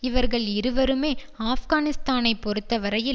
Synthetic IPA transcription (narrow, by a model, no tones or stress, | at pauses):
ɪʋɐɾɣɐɭɪɾɯʋɐɾɯmeː | aːfɣaːnɪst̪aːnɐɪpːɔɾɯt̪ːɐʋɐɾɐjɪ